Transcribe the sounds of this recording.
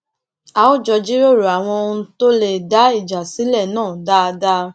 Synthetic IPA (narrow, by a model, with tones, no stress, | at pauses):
a˨o˦˨d͡ʒɔ˧d͡ʒi˦ɾo˦˨ɾu˨a˨w̃ɔ̃˧˦to˦le˦˨da˨˦i˦˨d͡ʒa˨si˨˦lɛ˦˨nãː˦˨da˦˧da˦